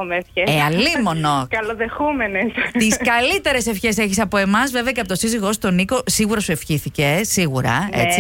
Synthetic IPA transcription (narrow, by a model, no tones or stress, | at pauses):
omefeeɐlimo̞nokɐloðexumenest̪iskɐlit̪e̞ɾe̞se̞fçe̞se̞çisɐpo̞e̞mɐzve̞ve̞ɐcepot̪osiziɣo̞st̪o̞niko̞siɣuɾɐsue̞fçiθice̞siɣuɾɐ̰ḛt͡si